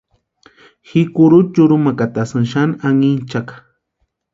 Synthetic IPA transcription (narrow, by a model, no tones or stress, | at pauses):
xikʊɾʊt͡ʃʊɾʊmakat̪asanʃanaŋint͡ʃakḁ